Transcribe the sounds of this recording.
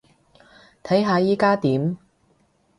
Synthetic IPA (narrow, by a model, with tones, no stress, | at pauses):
t̪ʰɐ˨˥jɦaː˧jiː˥kaː˥t̪iː˨˥m